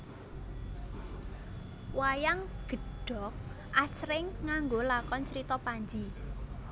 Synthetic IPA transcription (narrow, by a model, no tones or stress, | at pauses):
wajaŋɡ̥ə̤ɖ̥ɔ̤k̚ | ʔasɾɪŋːaŋɡolakɔnt͡ʃɾit̪ɔpaɲd͡ʒi